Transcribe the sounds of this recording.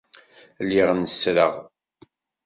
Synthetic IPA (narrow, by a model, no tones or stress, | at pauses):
lːɪʁnəsɾəʁ